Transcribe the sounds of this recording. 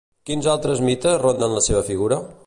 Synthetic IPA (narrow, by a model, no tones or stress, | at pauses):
kinzalˠt̪ɾəzmit̪əzrond̪ənləseβ̞əfiɣuɾə